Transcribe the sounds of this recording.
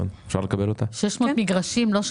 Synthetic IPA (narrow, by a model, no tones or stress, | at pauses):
o̰nefʃa̰ʁlekabelot̪aʃeʃmot̪miɡʁaʃimloʃ